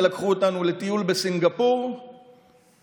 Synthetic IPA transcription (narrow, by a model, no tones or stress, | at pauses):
lakχuotanule̞t̪ijulbe̞siŋɡapoʁ